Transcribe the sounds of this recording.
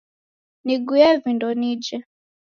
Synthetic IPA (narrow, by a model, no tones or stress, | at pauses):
niɡujɛvindɔnid͡ʒɛ